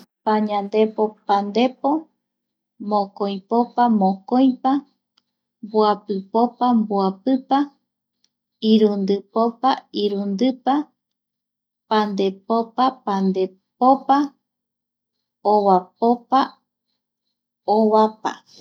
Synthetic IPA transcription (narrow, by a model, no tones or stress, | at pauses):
paɲãnd̪e̞popand̪e̞po̞ | mõkõj̃popamõkoj̃pa | mbuapɨpopambuapɨpa | iɾund̪ɨpopaiɾund̪ɨpa | pãnd̪e̞popapand̪e̞ | popa | oβapopa | oβapa̰